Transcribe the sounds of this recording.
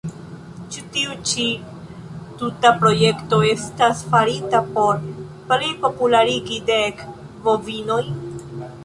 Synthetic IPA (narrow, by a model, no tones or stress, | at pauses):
t͡ʃutiut͡ʃi | tutapɾo̞je̞kto̞e̞stasfaɾitapo̞ɾ | plipo̞pulaɾiɡidek | vo̞vino̞j